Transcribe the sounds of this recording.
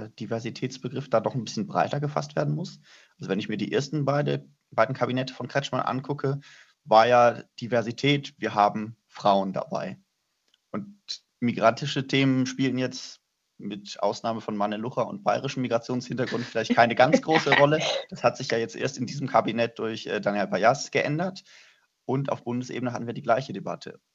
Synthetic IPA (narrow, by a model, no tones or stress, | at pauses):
d̥ivɛɐzitʰɛːt͡sb̥əɡʁɪfd̥aːdɔχnbɪsçənbʁa̰ɪtɐɡəfa̰stv̥eːɐdn̩mʊs | ʔalzovɛnɪçmiːɐdiːʔḛːɐstn̩baɪdə | b̥aɪdn̩kʰabinɛtə̥fɔnkʁ̥ɛt͡ʃma̰nʔa̰nkʰʊkʰə | vaːɐjaːd̥ivɛɐzitʰɛːtv̥iːɐɦaːbm̩fʁ̥aʊənda̰ba̰ɪ | ʔʊnt | miɡʁantɪʃətʰeːmənʃpiːln̩jɛt͡st | mɪtʔa̰ʊsnaːməfɔnmanəlʊχɐʊ̰nt̚b̥a̰ɪʁɪʃn̩miɡʁat͡sjoːnshɪntɐɡʁʊntfɪlaɪçtkʰaɪnəɡant͡sɡ̥ʁoːsəʁɔləd̥ashatz̥ɪçjaːjɛt͡stʔḛːɐstɪndiːzəmkʰabinɛt̚d̥ʊɐçʔɛːdaːnjalpajasɡ̥əʔɛndɐt | ʔʊntʔa̰ʊfb̥ʊndəsʔḛːbənəɦatn̩viːɐdiːɡlaɪçədeba̰tʰə̰